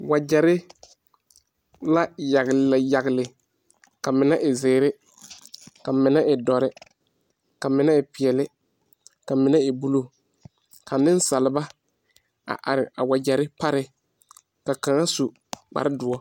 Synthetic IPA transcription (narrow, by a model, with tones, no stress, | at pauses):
wa˨d͡ʒa˨ɾɪ˦ | la˦ja˨ɣja˨ɣɪ˨lɪ˨ | ka˨mɪ˨na˦ʔɪ˨zeː˨ɾɪ˦ | ka˨mɪ˨na˦ʔɪ˨dɔ˨ɾɪ˦ | ka˨mɪ˨na˦ɪ˨pɪ˨ɛ˨lɪ˦ | ka˨mɪ˨na˦ɪ˨bu˦lo˦ | ka˨nɪ̃˦n˦sa˨lɪ˨ba˦ | a̰˨ʔa˨ɾɪ˨a˨wa˨d͡ʒɛ˨ɾɪ˦pa˦ɾɪ˦ | ka˨ka˨ŋa˦su˨ | k͡pa̰˨ɾɪ˦dʊ˨ɔ˦